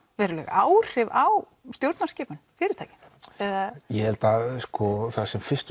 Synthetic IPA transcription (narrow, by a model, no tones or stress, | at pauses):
vɛːɾʏlɛ̰ɣaːwr̥ɪvaw | st̪jowɾt̪nascɛːpʏnfɪɾɪɾ̥t̪ʰaːjcɪ̥n | ɛðajɛhɛlt̪askɔθaðsɛmfɪst̪